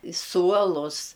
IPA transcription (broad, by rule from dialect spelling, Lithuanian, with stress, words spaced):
ɪ ˈsuɔlˠʊs